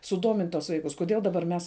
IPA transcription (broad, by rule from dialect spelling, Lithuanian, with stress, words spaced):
sʊˈdoːmʲɪnʲtʲ tuɔs ˈʋɐɪkʊs kʊˈdʲiɛlˠ dɐˈbɐr ˈmʲɛs